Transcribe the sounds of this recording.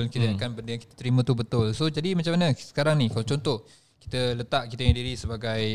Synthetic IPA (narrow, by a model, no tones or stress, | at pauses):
ʊnkit̪əakanbəndəjaŋkit̪ḁt̪əɾimə̃t̪ubət̪ʊlsod͡ʒadimat͡ʃamːanəsə̥kaɾaŋnikalat͡ʃɔnt̪ɔh | ki̥t̪ələt̪aʔkit̪əŋĩdiɾisəbaɡaj